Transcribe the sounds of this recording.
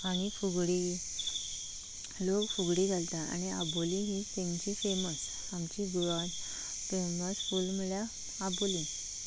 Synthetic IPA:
aɽ̃ifuɡɽi | lokfuɡɽid͡zʱalt̪aa̰ñia̰bolĩɦit̪ẽŋɡt͡ɕifeməs | amt͡ɕiɡuɭan | feməsfulməljaː | bolĩ

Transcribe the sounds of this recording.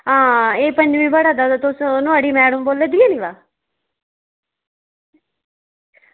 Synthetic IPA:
ɦãːeːpəɲd͡ʒʋiːbəɽaːd̪aːt̪ʊsnʊaːɽiːmɛːɽəmboːleːd̪iːãːnĩːʋaː

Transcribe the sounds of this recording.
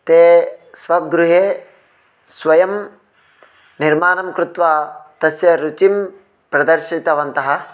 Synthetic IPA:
t̪eːsʋɐɡɾuɦeː | sʋɐjɐm | niɾmaːnɐmkɾut̪ʋaːt̪ɐsjɐɾut͡ʃim | pɾɐd̪ɐɾʃit̪ɐʋɐnt̪ɐɦɐ̆

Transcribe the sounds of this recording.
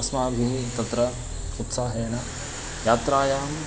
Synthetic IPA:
ɐsmaːbʱiɦit̪ɐt̪ɾɐ | ut̪saːɦeːnɐ | jaːt̪ɾaːjaːm

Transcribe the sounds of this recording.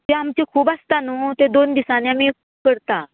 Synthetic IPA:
aamt͡ɕekʰuːbast̪anot̪ed̪ond̪isanjami | kəɾt̪a

